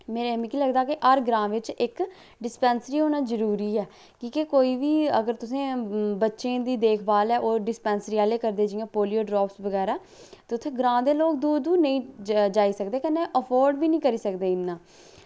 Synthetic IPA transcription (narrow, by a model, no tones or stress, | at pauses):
meːɾemĩkiːləɡd̪aːkɪʔəɾɡɾãːʋɪt͡ʃɪk | ɖɪspɛːnsəɾiːɦoːnãːzəɾuːɾiːɛː | kiːkekoːiːʋiːə̰ɡəɾt̪ʊsẽːbətːʃẽːd̪iːd̪eːkʰbaːlɛːʔoːɖɪspɛːnsəɾiːaːleːkəɾd̪eːd͡ʒɪjãːpoːlijoːɖɾɔːpsʋəɡɛːɾaː | t̪eʊt̪ʰːẽːɡɾãːd̪eːloːk̚d̪uːdd̪uːnəĩːd͡ʒaːiːsəkd̪eːkənːẽːʔəpʰoːɾɖʋiːnĩːkəɾiːsəkd̪eːɪnːãː